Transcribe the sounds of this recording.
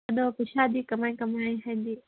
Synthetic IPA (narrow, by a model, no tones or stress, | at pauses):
ɐɗopɪʃaːd̪iːkɐmaːĩkɐmaːĩɦɐ̃nd̪iː